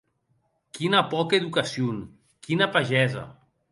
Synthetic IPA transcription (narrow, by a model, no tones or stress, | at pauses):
kinapɔkeðukasjon | kinapaʒɛza̰